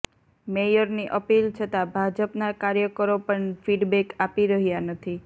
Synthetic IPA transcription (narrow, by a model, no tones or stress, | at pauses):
mejəɾniʔəpilt͡ʃʰət̪abʱad͡ʒəpnakaɾjəkəɾopəɳfiɖbekapiɾəɦjanət̪ʰi